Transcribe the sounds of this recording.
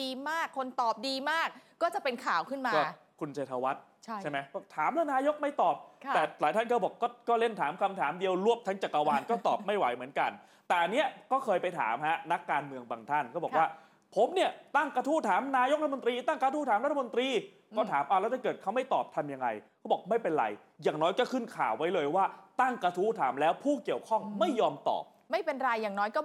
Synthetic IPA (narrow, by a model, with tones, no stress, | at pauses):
iː˧maː˥˩kʰːo˧nt̪ɔː˨˩p̚diː˧maː˥˩k̚ːɔː˥˩t͡ɕa˨˩pe˧nkʰaː˨˩wkʰɯ˥˩nmaː˧ɔː˥˩ | kʰu˧nt͡ɕʰeː˧t̪ʰa˧wa˦˥t̪̚t͡ɕʰa˥˩ma˦jɔ˥˩t̪ʰaː˨˩˦mlaː˦˥˩naː˧jo˦˥k̚ma˥˩jt̪ɔː˨˩p̚t̪ɛː˨˩saː˨˦t̪ʰa˥˩nkʰɔː˥˩bɔː˨˩kːɔː˥˩kɔː˥˩le˥˩nt̪ʰaː˩˦mkʰa˧mt̪ʰaː˩˦mdi˧əwɾu˥˩əp̚t̪ʰa˦˥ŋt͡ɕa˨˩kːa˧waː˧nkɔː˥˩t̪ɔː˨˩p̚ma˥˩jwa˨˩˦jmɯ˩˦ənka˧n | t̪ɛː˨˩ʔnːi˦˥ɐkɔː˥˩kʰɤː˧jpa˧jt̪ʰa̰ː˩˦mha˦˥na˦˥kːaː˧nmɯ˧əŋbaː˧ŋt̪ʰa˥˩nkʰɔː˥˩bɔː˨˩k̚waː˥˩ | pʰo˩˦mni˥˩ɐt̪a˥˩ŋkɾa˧t̪ʰuː˦˥˩t̪ʰaː˩˦mnaː˧jo˦˥ɾa˥t̪ʰa˩o˧nt̪ɾiː˧t̪a˥˩ŋka˧t̪ʰuː˦˥˩aː˨˦mɾa˥t̪ʰːa˧mo˧nt̪ɾiː˧ | kɔː˥˩t̪ʰaː˩˦mʔa˨˩lɛ˦˥t̪t͡ɕa˥˩kɤː˨˩t̪̚kʰa˦˥wma˥˩jt̪ɔː˨˩p̚t̪ʰa˧mja˧ŋːa˧jkkʰa˦˥bɔː˨˩k̚ma˥˩jpe˧nɾa̰˧j | jaː˨˩ŋnɔː˦˥jkɔː˥˩kʰɯ˥˩nkʰa̰ː˨˩wːa˦˥jlɤː˧jwaː˥˩t̪a˥˩ŋkɾa˧t̪ʰuː˦˥˩t̪ʰaː˩˦mlɛː˦˥wpʰuː˥˩ki˨˩əwkʰɔ˥˩ŋma˥˩jːɔː˧mt̪ɔ̰ː˨˩p̚ma˥˩jpe˧nɾa˧jːaː˨˩ŋnɔː˦˥jkɔ˥˩